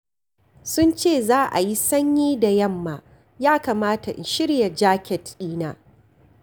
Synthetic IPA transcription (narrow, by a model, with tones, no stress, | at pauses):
sʊ˦nt͡ʃeː˦˨zaː˦ʔa̰˨ji˦sɐ˦ɲjiː˦da˨jɐ˦˨mːaː˨ | jaː˦kaː˨maː˦ta˨ʔɪ̰˨nʃɪ˦ɽja˨d͡ʒaː˦kʲɛ˨tiː˦naː˦